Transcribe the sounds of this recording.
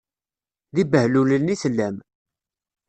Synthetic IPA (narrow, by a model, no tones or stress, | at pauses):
ðibəhlulənisəlːæm